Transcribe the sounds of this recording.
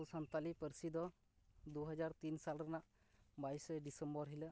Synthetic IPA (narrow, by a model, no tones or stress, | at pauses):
sant̪alipəɾsid̪ɔ | d̪uɦad͡ʒaɾt̪insalɾanaʔ | bajsɛɖisəmbɔɾɦilə